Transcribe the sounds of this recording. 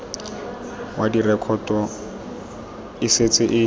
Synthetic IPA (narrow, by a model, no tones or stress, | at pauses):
wʔadirɛkʰɔtʼɔ | ɪset͡sʼɪʔɪ